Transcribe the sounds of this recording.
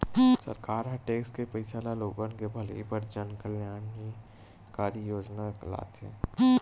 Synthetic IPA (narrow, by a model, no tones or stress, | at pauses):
sə̰ɾkaːɾɦəʈeːkskepəɪsaːlaloːɡə̃nkebʱəlipəɾd͡ʒaːnkəljaːn | kaːɾəjoːd͡ʒnala̰ːt̪ɛ̰̃ː